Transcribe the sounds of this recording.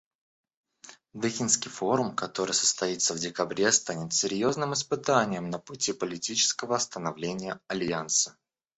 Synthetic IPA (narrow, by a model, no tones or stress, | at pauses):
d̪ɨxʲɪnskʲɪjfo̞ɾʊmkɐt̪o̞ɾɨjsə̥st̪ɐit̪səvdʲɪkɐbɾʲe̞st̪anʲɪt̪sʲɪɾʲjo̞znɨmɨspɨt̪anʲɪjəmnəpʊtʲipəlʲɪtʲit͡ɕɪ̥skəvəɐst̪ənɐvlʲenʲɪjəɐlʲansə̥